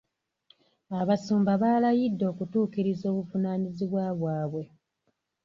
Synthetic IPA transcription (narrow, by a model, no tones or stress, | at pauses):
aβasuːmbaβaːlajidːo̞ːkutuːkiɾizo̞ːβufunaːniziβwaβwaːβwe̞